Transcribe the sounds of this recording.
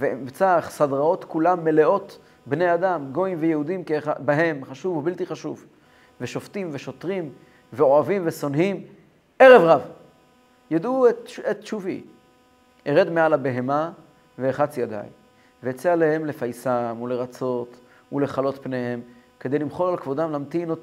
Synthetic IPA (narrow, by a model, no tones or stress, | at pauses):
veimt͡saχsadʁao̞t̪kulamːe̞le̞ʔo̞t | bne̞jad̪amɡo̞imvejehud̪imkeχabaɦe̞mχaʃuvubilt̪iχaʃuv | ve̞ʃo̞ftimveʃo̞t̪ʁim | veo̞avimveso̞nɦim | eʁe̞vʁav | jad̪uetett͡ʃuvḭ | eʁe̞d̪mealabe̞ɦe̞ma | veːχat͡sjad̪a̰j | veet͡sealehe̞mle̞fajsamule̞ʁat͡so̞t̪ | ule̞χalo̞t̪pne̞he̞mked̪ejlimχo̞lalkvo̞damlamt̪ino